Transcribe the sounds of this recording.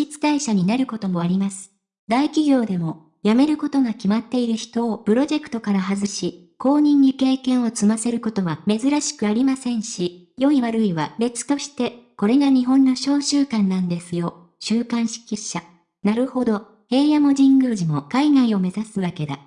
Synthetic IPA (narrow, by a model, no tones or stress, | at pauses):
ɕit͡sɨ̥d̪aiɕaɲ̟inaɾɯ̟ko̞t̪o̞mo̞aɾʲimasɨ̥ | d̪aikʲiɡʲo̞ːd̪e̞mo̞ | jame̞ɾɯ̟ko̞t̪o̞ɡakʲimat̪ːe̞iɾɯ̟çi̥t̪o̞ːpɯ̟ɾo̞ʑe̞kɯ̥t̪o̞kaɾaɦazɨɕi | kʰo̞ːɲ̟ĩɲ̟ːike̞ːkẽ̞ɰ̃o̞t͡sɨmase̞ɾɯ̟ko̞t̪o̞βame̞zɨɾaɕi̥kɯ̟aɾʲimasẽ̞ɰ̃ɕi | jo̞iβaɾɯ̟iβabe̞t͡sɨ̥t̪o̞ɕi̥t̪e̞ko̞ɾe̞ɡaɲ̟iɦõ̞nːo̞ɕo̞ːɕɨːkãnːãnd̪e̞sɨjo̞ | ɕɨːkãɰ̃ɕi̥kʲiɕa | naɾɯ̟ho̞d̪o̞ | he̞ːjamo̞ʑĩŋɡɯːʑimo̞kaiɡaio̞me̞zasɨβake̞d̪a̰